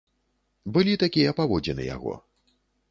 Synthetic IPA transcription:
bɨlʲit̪akʲijɐpavɔd͡zʲɛnɨ̰ja̰ɣɔ̰

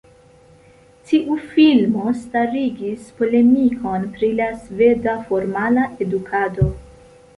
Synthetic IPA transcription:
tiʔufilmo̞staɾiɡispo̞le̞miko̞npɾilasve̞dafo̞ɾmalaʔe̞dukʰado̞

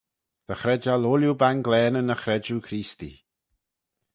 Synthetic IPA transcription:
ð̥əxɾɛd͡ʒaloljubanɡlɛːnənəxɾɛd͡ʒukʰɾiːst̪ḭ

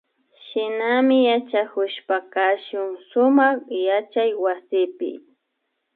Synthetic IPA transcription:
ʃɪnamɪjat͡ʃakʊʃpakaʃʊŋʃʊmɑχjat͡ʃajwasɪpɪ̰

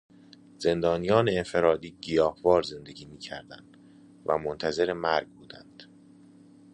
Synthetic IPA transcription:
z̥e̞nd̪ɒːnijɒːneːnfe̞ɾɒːd̪iːɟijɒːhvɒːɾze̞nd̪e̞ɟiːmiːcʰæɾd̪ænd̪̥ | væ̰mont̪ʰæze̞ɾemæɾɡbuːd̪ænd̪̥

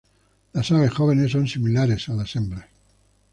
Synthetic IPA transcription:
lasaɣesxoβ̞enesːonsimilaɾesalasembɾe

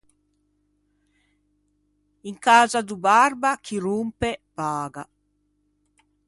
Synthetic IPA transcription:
iŋkaːzad̪ubarbakʰiɾumpepaːɡa

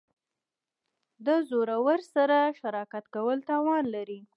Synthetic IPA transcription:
d̪əzoɾawəɾsaɾaʃaɾɑkat̪kawəlt̪ɑwɑnlaɾi

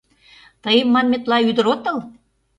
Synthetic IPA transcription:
t̪əjəmːɑnmet̪lɑyd̪ə̆ɾot̪ːəl

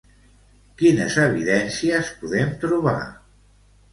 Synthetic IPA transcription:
kinə̰zəβiðɛnsiəspuðɛmt̪ɾuβ̞a̰

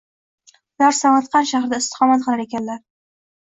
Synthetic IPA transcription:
ʊlaɾsamat̪qɑnʃaχɾɪd̪aɪst̪ɪ̥χɒmat̪̚qʰɨlˠaɾe̞kʲanlaɾ

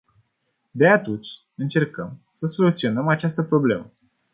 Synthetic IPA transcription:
d̪e̞at̪unt͡ʃʲ | ɨnt͡ʃe̞rkəmsəso̞lut̪sio̞nəmat͡ʃast̪əpɾo̞ble̞̰mə

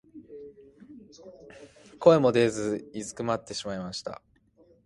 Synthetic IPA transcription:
ko̞e̞mo̞d̪e̞ːzɨizɨkɯ̟mat̪ːe̞ɕimaimaɕi̥t̪a̰

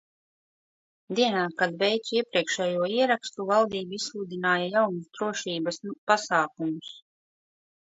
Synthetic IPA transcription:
d̪iɛnaːkad̪vɛjt̪suiɛpɾiɛkʃɛjuɔiɛɾakst̪uvalˠd̪iːbuislˠuːd̪inaːjajawnusd̪ɾuɔʃiːbɐspasaːk̚umus

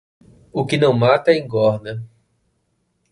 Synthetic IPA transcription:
ʊkɪnɐ̃w̃mat̪ɐẽj̃ɡɔɾnɐ

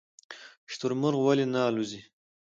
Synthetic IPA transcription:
ʃt̪uɾmʊɾɣwalinaːluzi

